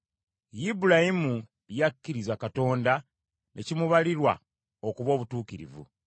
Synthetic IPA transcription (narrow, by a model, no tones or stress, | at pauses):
jibuɾajimu | jakːiɾizakato̞ːnda | nʔe̞cimuβaliɾwa̰ | okuβo̞ːβutuːkiɾḭvṵ